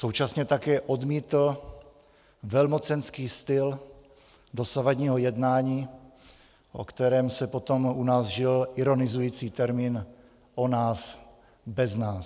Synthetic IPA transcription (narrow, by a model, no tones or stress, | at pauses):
so̞wt͡ʃasɲɛt̪akɛːʔod̪miːt̪l̩ | vɛlmo̞t͡sɛnskiːst̪ɪl | do̞savadɲiːɦo̞jɛdnaːɲiː | ʔo̰kt̪ɛɾɛːmsɛpo̞t̪o̞munaːzʒɪlʔɪɾo̞nɪzujiːt͡siːt̪ɛɾmiːn | ʔonaːs | bɛznaːs